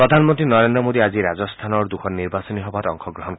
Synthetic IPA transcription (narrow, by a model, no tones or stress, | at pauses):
pɾɔd̪ʱanmɔnt̪ɾinɔɾend̪ɾɔmod̪iad͡ʒiɾad͡ʒɔst̪ʰanɔɾd̪ukʰɔnːiɾbasɔniɦɔbaɾɔŋkʰɔɡɾɔɦɔn